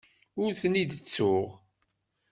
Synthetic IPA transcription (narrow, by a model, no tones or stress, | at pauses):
ʊɾθnid̪ət͡sːʊʁ